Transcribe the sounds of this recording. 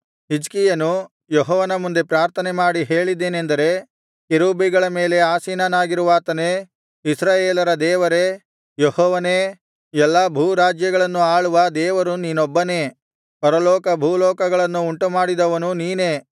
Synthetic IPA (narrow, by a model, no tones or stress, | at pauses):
ɦid͡ʒkijɐnu | jɔɦɔːʋɐnɐmund̪e̞pɾaːɾt̪ʰɐnemaːɽiɦeːɭid̪eːnend̪ɐɾe̞ | kiɾuːbiɡɐɭɐme̞ːle̞aːsiːnanaːɡiɾuʋaːt̪ɐne̞ | isɾaːjeːlɐɾɐd̪ɛːʋɐɾe̞ | jɔhɔːʋɐneː | ɛlːɐbʱuːɾaːd͡ʒjɐɡɐɭɐnːuaːɭuʋɐd̪ɛːʋɐɾuniːnɔbːɐne̞ː | pɐɾɐlɔːkɐbʱuːlɔːkɐɡɐɭɐnːuːɳʈumaːɽid̪ɐʋɐnuniːneː